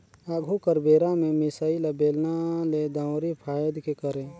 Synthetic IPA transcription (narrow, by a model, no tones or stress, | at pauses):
aːɡʱukəɾbeːɾamẽmɪsailəbeːlnaled̪ãwɾipʰaːjəd̪kekəɾẽː